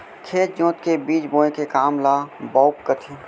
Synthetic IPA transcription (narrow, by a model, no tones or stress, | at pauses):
kʰeːt̪̚d͡ʒõːt̪kebiːt͡ʃbõːẽkekaːmlaːbaʊkːət̪ʰi